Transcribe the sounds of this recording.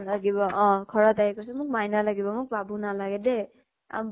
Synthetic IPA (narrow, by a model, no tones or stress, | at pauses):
laɡebʌʌ̃kʰʌɾat̪aekosʰumuk̚majnalaɡebʌmuk̚babunalaɡed̪e | a̰